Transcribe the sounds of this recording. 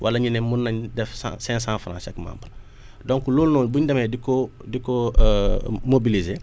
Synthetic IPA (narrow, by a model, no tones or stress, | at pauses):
wʔɐ̰lɐɲinɛmunːɐɲdɛfsã̰sɛ̃ːsãːfɾãːsɐkma̰ːmbən | dɔ̃ŋkuloːlnoːlbuɲdɐmedikodikɔ | mobilizeː